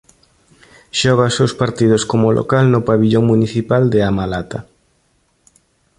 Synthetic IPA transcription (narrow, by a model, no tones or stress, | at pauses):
ʃɔɣ̞asowspaɾt̪iðʊskomʊlʔo̰kalnʊpaβiʎoŋmuniθipald̪ɪamalat̪a